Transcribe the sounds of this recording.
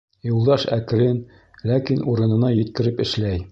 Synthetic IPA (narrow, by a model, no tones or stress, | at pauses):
julˠd̪ɑʃækɾɘn | lækinʔuɾɤ̆nɤ̆nɑjɘ̆t̪kɘ̆ɾɘpɘ̆ʃlæj